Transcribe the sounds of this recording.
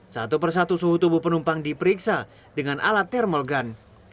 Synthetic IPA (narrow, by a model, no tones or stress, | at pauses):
sat̪upərs̬at̪usuɦut̪ubupənumpaŋdipəɾiksa | dəŋanʔa̰lat̪ːɛrmɔlɡan